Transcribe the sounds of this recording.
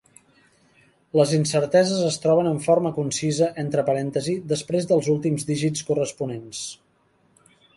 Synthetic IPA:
ləzinsəɾt̪ɛzəzəst̪ɾɔβənəɱfoɾməkunsizəʔent̪ɾəpəɾɛnt̪əzid̪əspɾezðəlˠzulˠt̪imzd̪iʒit͡skurəspunens

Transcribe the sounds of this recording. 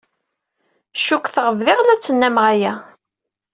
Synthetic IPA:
ʃukːθʁəvðɪʁlæt͡sːənːæmʁæjæ

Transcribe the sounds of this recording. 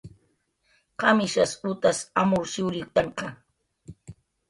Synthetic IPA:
qɑmɪʃasʊt̪asamʊɾʃɪwɾɪt̪aɴqɑ

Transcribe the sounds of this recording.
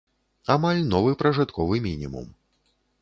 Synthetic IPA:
amalʲnɔvɨpɾɐʐɨt̪kʰɔvɨmʲinʲimṵm

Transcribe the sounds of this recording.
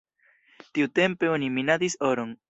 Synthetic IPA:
t̪iut̪e̞mpe̞oniminad̪isoɾoŋ

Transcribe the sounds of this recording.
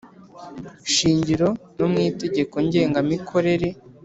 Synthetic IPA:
ʃiːɲɟiɾo̞nomŋiːte̞ɟe̞ko̞ɲɟe̞ːŋɡamikʰo̞ɾe̞ɾe̞

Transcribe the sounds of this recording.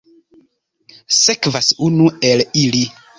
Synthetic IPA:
sekvasunuelili

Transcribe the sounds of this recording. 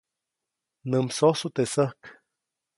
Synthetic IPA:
nəmsosut̪esəhk

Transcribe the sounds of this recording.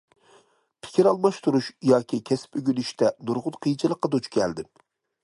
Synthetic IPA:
pʰɪ̥kʲiɾɑlˠmɑʃt̪uɾuʃjɑːkʲʰikʲʰɛsɪ̥pøɡʲynyʃt̪ʰɛnuɾʁʊt̪qʰijt͡ʃʰɨlˠəqːɑd̪ot͡ʃkʲʰɛld̪ɪm

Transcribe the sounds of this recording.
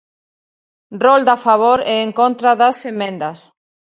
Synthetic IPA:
rrold̪afaβ̞oɾɛeŋkont̪ɾaðɐsemẽnd̪ɐs

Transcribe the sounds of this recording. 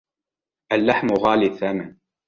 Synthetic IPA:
ʔalːaħmʊɣaːliθaːmɪn

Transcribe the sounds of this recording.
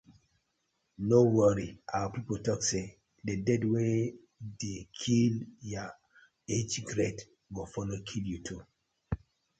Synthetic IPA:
nowəɹiawpipotɔkse | dedɛdwe | dekʰilja | ed͡ʒɡɹet | wɔfɔnɔkʰiljutʰu

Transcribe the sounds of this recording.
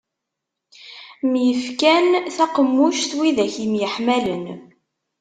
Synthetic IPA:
mjəfkænθæqəmːuʃθwiðæçimjəħmælən

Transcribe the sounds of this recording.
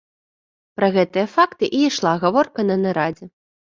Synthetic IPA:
pɾɐɣɛt̪ɨjɐfakt̪ɨʔiiʂlˠaɣavɔrkɐnɐnɐɾad͡zʲɛ

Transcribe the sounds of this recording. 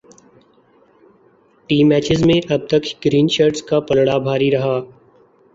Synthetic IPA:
ʈiːmɛːt͡ʃɪzmẽʔəb̚t̪əkɡɾiːnʃəɾʈskaːpəlɽaːbʱaːɾiːɾəɦaː

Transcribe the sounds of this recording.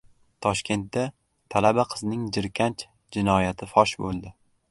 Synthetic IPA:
t̪ʰɒʃkʲʰe̞nt̪d̪a | t̪ʰalabaqʰɨznɪŋd͡ʒɪɾkʲʰant͡ʃ | d͡ʒɪnɒjat̪ʰɪfɒʃbolˠd̪ɪ

